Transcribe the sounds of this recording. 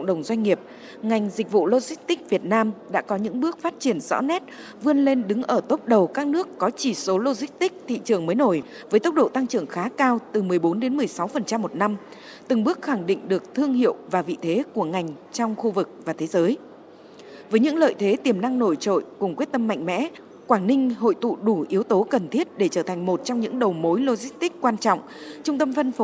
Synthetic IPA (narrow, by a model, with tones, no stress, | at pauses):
ə̰˧˨ŋ͡mɗə˨˩wŋ͡mzwa˧jŋ̟ːŋi˨˩əp̚ | ŋa˨˩jŋ̟zi˨˩k̟̚vṵ˧˨lo˧zi˦˥k̚t̪ï˦˥k̚vi˨˩ət̚naː˧mɗa̰ː˧˥kɔ˨˦ɲɨ̰˧˥ŋɓɨ˦˥ək̚faː˦˥t̚t͡ɕi˧˩ənzɔ̰˧˥nɛ˦˥t̚ | vɨ˧ənle˧nɗɨ˨˦ŋʔəː˧˩t̪o˦˥p̚ɗə˨˩wkaː˦˥k̚nɨ˦˥əkːɔ˨˦t͡ɕi˧˩so˨˦lo˧zï˦˥k̚t̪ï˦˥k̚t̪ʰḭ˧˨t͡ɕɨ˨˩əŋməː˨˦jno˧˩j | vəː˨˦jt̪ə˦˥wk͡p̚ɗo̰˧˨t̪a˧ŋt͡ɕɨ˨˩əŋxaː˨˦kaː˧wt̪ɨ˨˩mɨ˨˩əjɓo˨˦nɗe˨˦nmɨ˨˩əjsa˨˦wfə˨˩nt͡ɕa˧mːo˨˩t̚na˧m | t̪ɨ˨˩ŋɓɨ˦˥ək̚xa˧˩ŋɗḭ˧˨ŋ̟ɗɨ˨˩ək̚t̪ʰɨ˧əŋhḭ˧˨əwvaː˨˩vḭ˧˨t̪ʰe˨˦ku˧˩əŋa˨˩jŋ̟t͡ɕɔ˧wŋ͡mxu˧vɨ˨˩k̚vaː˨˩t̪ʰe˨˦zəː˨˦j | vəː˨˦jɲɨ̰˧˥ŋlə̰ː˧˨jt̪ʰe˨˦t̪i˨˩əmna˧ŋno˧˩jt͡ɕo̰˧˨jkʊ˨˩ŋ͡mkwi˦˥ət̚t̪ə˧mːa̰˧˨jŋ̟mɛ̰˧˥ | kwaː˧˩ŋnï˧ŋ̟ɦo̰˧˨jt̪ṵ˧˨ɗu˧˩ʔi˨˦wt̪o˨˦kə˨˩nt̪ʰi˦˥ət̚ɗe˧˩t͡ɕəː˧˩t̪ʰa˨˩jŋ̟mo˨˩t̚t͡ɕɔ˧wŋ͡mɲɨ̰˧˥ŋɗə˨˩wmo˨˦jlo˧zi˦˥k̟̚t̪ï˦˥k̚kːwaː˧nt͡ɕɔ̰˧˨wŋ͡m | t͡ɕʊ˧ŋ͡mt̪ə˧mfə˧nf